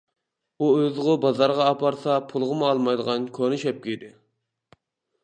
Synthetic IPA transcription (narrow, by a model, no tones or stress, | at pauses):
uøzʁʊbɑzɑɾʁɑːpʰɑɾsɑpʰulˠʁəmɑlˠmɑjd̪əʁɑnkʲʰonɨʃɛp̚kʲid̪ɪ